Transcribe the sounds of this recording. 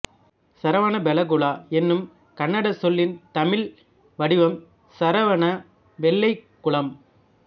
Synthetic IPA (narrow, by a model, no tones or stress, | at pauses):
sɐɾɐʋɐnɐbɛlɐɡʊɭaːɛnːɯm | kɐnːɐɽɐsɔlːɪnt̪ɐmɪl | ʋɐɽɪʋɐm | sɐɾɐʋɐnɐ | ʋɛɭːɐɪkːʊɭɐm